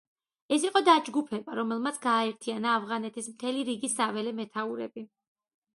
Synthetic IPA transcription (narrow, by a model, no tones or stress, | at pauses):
ɛsiqʼɔd̪ad͡ʒɡupʰɛbaɾɔmɛlˠmat̪sʰɡaːɛɾt̪ʰianaːvʁanɛt̪ʰismt̪ʰɛliɾiɡisavɛlɛmɛt̪ʰauɾɛ̰bi